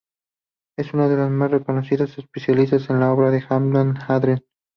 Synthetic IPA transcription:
e̞sunaðe̞lazmasreko̞nosiðase̞spesjalis̬t̪asenlao̞βɾaðe̞xamlonxaðɾen

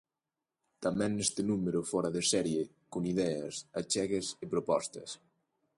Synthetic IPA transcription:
t̪amɛ̃nːɛst̪enumeɾofɔɾɐðesɛɾje | koniðɛɐ̰sat͡ʃɛɣesepɾopɔst̪ɐ̰s

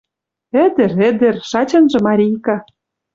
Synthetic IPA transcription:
ɘ̆d̪ɘ̆ɾɘ̆d̪ɘ̆rʃɑt͡ɕɤ̆nʒɤ̆mɑɾʲijkɑ

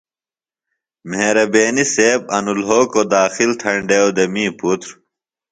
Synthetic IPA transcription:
meːɾɐbeːniseːb̚ɐnulɦoːkod̪aːxilʈ̪ʰɐɳɖewd̪emĩːput̪ɾ

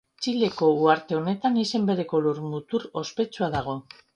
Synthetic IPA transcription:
t͡ʃile̞ko̞uaɾt̪e̞o̞ne̞t̪anise̞mbe̞ɾe̞ko̞luɾmut̪uɾo̞spe̞t͡suaðaɣ̞o̞

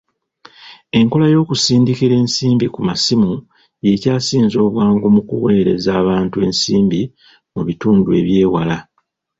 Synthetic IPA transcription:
e̞ŋko̞lajo̞ːkusiːndikiɾe̞ːnsiːmbikumasimu | je̞caːsiːnzo̞ːβwaːŋɡomukṵwe̞ːɾe̞̰zaːβaːntue̞ːnsiːmbi | muβituːndue̞̰βje̞ːwala

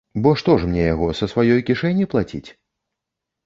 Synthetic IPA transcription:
bɔʂt̪ɔʂmnʲɛjaɣɔsɐsvajɔjkʲiʂɛnʲiplˠat͡sʲḭt͡sʲ

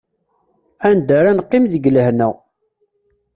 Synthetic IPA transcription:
ænd̪aɾanqːɪmðəɡləhnæ̰

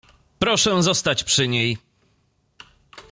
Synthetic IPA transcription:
pɾɔʂɛzɔst̪at͡ɕpʂɘɲej

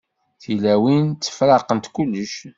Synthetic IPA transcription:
θilæwint͡s̪ːə̥fɾɑqənt̪kulːəʃ

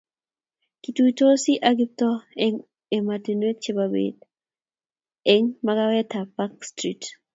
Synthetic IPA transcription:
kitut̪osiʔaɡip̚toɛŋ | ematinwet̚t͡ʃebabḛd | ɛŋmakawɛt̪apakstɾit

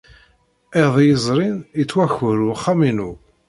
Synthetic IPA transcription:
eʁðˤjəzˤɾˤinjət͡sːwæçʊɾuχːaminu

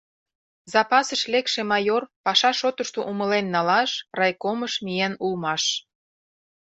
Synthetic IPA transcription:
zɑpɑsəʃlekʃemɑjorpɑʃɑʃot̪əʃt̪oʔuməlenːɑlɑʃrɑjkoməʃmienulmɑʃ

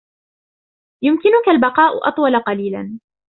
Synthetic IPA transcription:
jʊmkɪnʊkalbɑqɑːʔʊ̰ʔɑ̰t̪ˤwɑlaqɑliːla̰n

